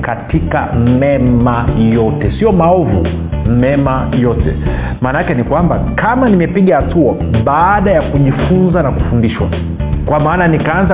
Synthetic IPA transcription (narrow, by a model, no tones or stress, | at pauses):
katika̰mɛmajɔtɛsiɔmaɔvṵ | mɛmajɔtɛ̰ | maːnaakɛnikwamba | kʰamanimɛpiɠahatʰua | ɓaːɗajakuʄifunzanaku̥fundiʃwa̰ | kwamaːnanikaanza